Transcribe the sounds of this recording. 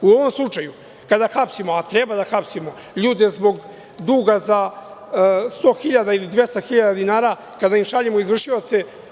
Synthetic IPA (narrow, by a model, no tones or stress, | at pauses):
uo̞ʋo̞mslˠut͡ʃaju | kad̪axapsimoat̪ɾebad̪axapsimo̞ | ʎuːd̪e̞zbo̞ɡ | d̪uːɡaza | st̪o̞ːxiʎad̪ailid̪vjest̪axiʎad̪ad̪inaːɾa | kad̪aimʃaʎemoizvr̩ʃio̞t̪se̞